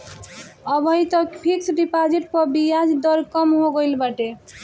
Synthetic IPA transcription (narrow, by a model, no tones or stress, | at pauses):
ɔbʱʌjt̪ɔkpʰiksɖipad͡ʒiʈ̚pɔbijad͡ʒd̪ɔɾkɔmɦoɡojlbaʈe